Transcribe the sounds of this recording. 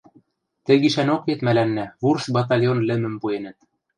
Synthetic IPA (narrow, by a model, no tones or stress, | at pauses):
t̪ɘ̆ɡiʃænoket̪mælænːæβursbɑt̪̬ɑlʲjonlɘ̆mɘ̆mpuenɘ̆t̪̚